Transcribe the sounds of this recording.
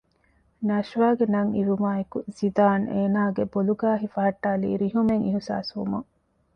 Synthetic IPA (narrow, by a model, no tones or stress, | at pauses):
nɐʃʋaːɡenɐŋiɾumaːekuz̥id̪aːneːnaːɡeboluɡaːɦifɐɦɐʈːaːlḭːɾiɦumeŋiɦusa̰ːsʋṵmɐŋ